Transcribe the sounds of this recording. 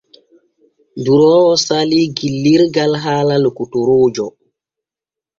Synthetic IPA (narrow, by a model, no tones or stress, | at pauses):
nduɾɔɔsaliɡilːiɾɡalɦaːlalokutoɾoːd͡ʒɔ